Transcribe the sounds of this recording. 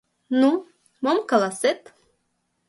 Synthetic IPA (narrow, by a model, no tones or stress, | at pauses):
nu | momkalˠaset̪